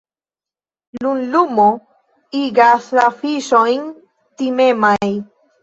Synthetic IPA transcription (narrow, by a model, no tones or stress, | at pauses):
lunlumo | iɡaslafiʃojn | t̪imemaj